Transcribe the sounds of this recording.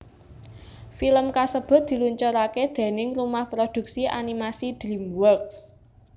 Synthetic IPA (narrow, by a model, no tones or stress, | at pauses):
filəmkasəb̥ʊ̤t̪̚d̪̥i̤luɲt͡ʃɔɾaked̪̥e̤nɪŋrumahpɾod̪̥ṳk̚siʔa̰nimasid̪̥ɾimwɔrks